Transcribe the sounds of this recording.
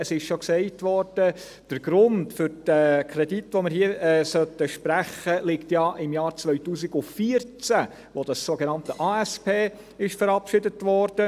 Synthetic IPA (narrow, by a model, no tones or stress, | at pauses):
əsɪʃʃoksɛɪtʋɔɾd̥ə | d̥əɾɡ̥ɾʊndfʏɾtɛkʰɾɛditʋomɪɾɦiəɛːsœtəʃpɾæχəlɪktjɑʔɪmjɑːɾt͡svœʏtuːsiɡʊfiəɾt͡sæ | ʋod̥ɑsːoɡenɑntəʔɑːɛspeː | ɪʃfəɾɑpʃɪdətʋɔɾd̥ə